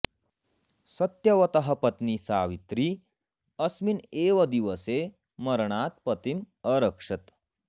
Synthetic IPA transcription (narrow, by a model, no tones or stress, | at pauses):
sɐt̪jɐʋɐt̪ɐɦəpɐt̪nisaːʋit̪ɾi | ɐsmineːʋəd̪iʋəse | mɐɾɳaːt̪̚pət̪im | ɐɾəkʂɐt̪